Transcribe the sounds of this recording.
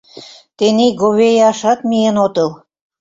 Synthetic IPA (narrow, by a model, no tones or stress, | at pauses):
t̪eniɡoβejɑʃɑt̪mienot̪ɤl